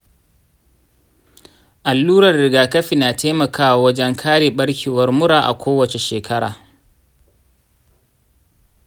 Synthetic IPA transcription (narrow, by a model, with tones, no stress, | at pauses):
ʔa˨lːuː˦ɾɐ˨rɽɪ˨ɡaː˨kɐ˦ɸi˨naː˨tʰeː˦mɐ˨kʰaː˦wa˨wɐ˦d͡ʒɛ˦ŋkʰaː˦ɽeː˨ɓɐ˦ɽkʲʰiː˨wɐ˦rmʊ˦ɽaː˨ʔa̰˨kʷoː˦wɐ˨t͡ʃe˨ʃeː˨kʰɐ˦ɽa̰ː˨